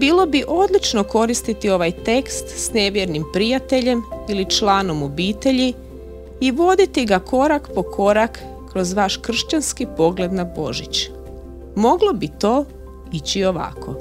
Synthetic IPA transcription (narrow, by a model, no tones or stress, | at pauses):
biːlˠo̞biʔo̞d̪lit͡ʃno̞ko̞ɾist̪it̪io̞ʋajt̪e̞kst̪sne̞ʋjeɾnimpɾijat̪e̞ʎe̞milit͡ʃlˠaːno̞mobiːt̪e̞ʎi | iʋo̞d̪it̪iɡakʰo̞ɾakpo̞kʰo̞ɾakː | ɾo̞zʋaʃkr̩ʃt͡ɕanskipo̞ɡle̞d̪nabo̞̰ʒit͡ɕ | mo̞ɡlˠo̞bit̪o̞ː | it͡ɕio̞ʋa̰kʰo̞̰